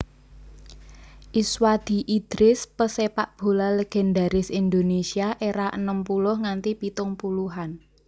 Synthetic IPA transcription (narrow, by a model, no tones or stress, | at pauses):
ʔiswad̪̥i̤ʔid̪̥ɾɪspəsepaʔb̥o̤laleɡ̥ɛ̤nd̪a̤ɾɪsind̪onesiaʔeɾaʔənəmpulʊhŋant̪ipit̪ʊŋpuluɦan